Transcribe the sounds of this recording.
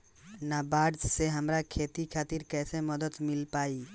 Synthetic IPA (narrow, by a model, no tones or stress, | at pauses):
nabaɖd͡ʒseɦəmɾakʰet̪ikʰaːt̪iɾkɛseməd̪ət̪mɪlpaːi